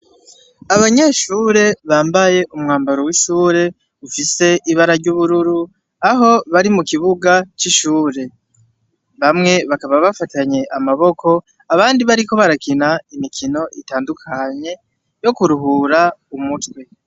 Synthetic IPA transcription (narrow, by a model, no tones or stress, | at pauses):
aβaɲe̞ʃuːɾe̞βaːmbaje̞ʔumŋaːmbaɾowiʃuːɾe̞ | ufise̞ʔiβaɾaɾɟuβuɾuɾu | aɦo̞βaɾimukiβuɡat͡ʃiʃuːɾe̞ | βamŋe̞βakaβaβafataɲe̞ʔamaβo̞kʰo̞ | aβaːndiβaɾiko̞βaɾakinaimikʰino̞ʔitaːndukʰaɲe̞ | jo̞kuɾuɦuɾaumutwe